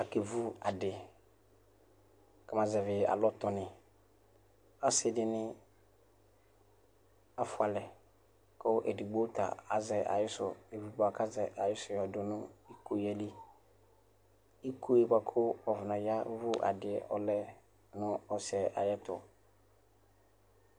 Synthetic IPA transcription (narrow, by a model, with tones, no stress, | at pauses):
a˨ke˨vu˦a˨dɪ˨ | ka˨mã˨zɛ˨vɪ˨a̰˨lɔ˦tɔ˨nɪ̃˨ | a˦sɪ˦dɪ˦nɪ̃˦ | a˦fʊ˦a˨lɛ˨ | kʊ˦ʔɛ˨di˨ɡ͡bo˦ta̰˨a̰˨zɛ˨ʔa̰˨jɪ˦sʊ̰˨e˨vi˨ɡ͡ba˨ka˦zɛ˨ʔa˨jɪ˦sʊ˨jɔ˨dʊ˨nʊ̃˦i˦ku˨jɛ˦li˦ | i˦kʰu˦e˨ba˨kʰʊ˦ɔ˨vʊ˨nã˨ja˦vʊ˦ʔa̰˨dɪ˨ɛ˨ʔɔ˨lɛ˦ | nʊ̃˦ɔ˦sɛ˨ʔa˨jɛ˦tʊ̰˨